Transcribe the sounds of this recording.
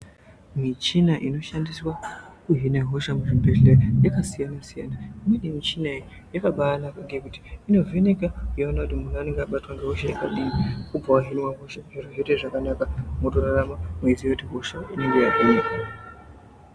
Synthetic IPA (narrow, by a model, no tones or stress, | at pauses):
mit͡ʃinaʔino̞ʃandiswakuɦinaɦo̞ʃamuʐimbeɮejakasijanasija̰naimwenemit͡ʃinai | jekaɓaːlakaɡiekuti̥ino̞venekakujaonakutimunaniŋɡaɓatwaŋɡeɦoʃajekaɗinikubawaɦinwaɦo̞ʃaʐeroɦeteʐakanakamotoɾaɾamamuizijoteɦo̞ʃaineŋɡejapenea